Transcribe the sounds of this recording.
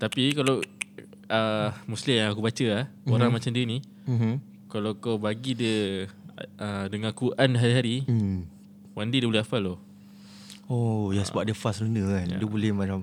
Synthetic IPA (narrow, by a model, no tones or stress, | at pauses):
t̪apikalaw | əmuslɪmjaŋakubat͡ʃəlahoɾaŋmat͡ʃamdiini | kalakawbaɡidə | ədəŋãkuʔanɦaɾiɦaɾi | wandidəbolɛafalo | ojasəbap̚dəfaslənəana̰dəbolɛhmãt͡ʃam